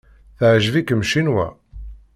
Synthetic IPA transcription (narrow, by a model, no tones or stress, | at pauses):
θəʕʒvikəmʃinwæ̰